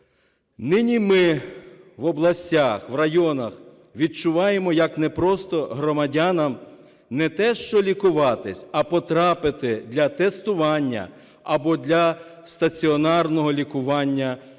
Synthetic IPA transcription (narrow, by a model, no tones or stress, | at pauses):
nɪnʲimɪ | ʋɔblˠɐsʲtʲaxʋrɐjɔnɐx | ʋʲid̪̚t͡ʃʊʋɑjemɔjɐknɛpɾɔst̪ɔɦɾɔmɐdʲanɐm | nɛt̪ɛʃt͡ʃɔlʲikʊʋɑt̪ɪsʲɐpɔt̪ɾɑpɪt̪ɪd̪ʲlʲɐt̪ɛst̪ʊʋɑnʲːɐ̰ | ɐbɔd̪ʲlʲɐst̪ɐt͡sʲiɔnɑrnɔɦɔlʲikʊʋɑnʲːɐ